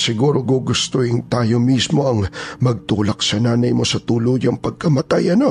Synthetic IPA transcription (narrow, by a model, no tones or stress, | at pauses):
sɪɡuːɾo̞ɡoɡʊst̪ohɪŋt̪aːjo̞mismo̞ɐŋmɐɡ̚t̪uːlɐk̚sɐnaːnɐjmo̞sɐt̪uːlojɐŋpɐɡ̚kɐmɐt̪ajʔɐno̞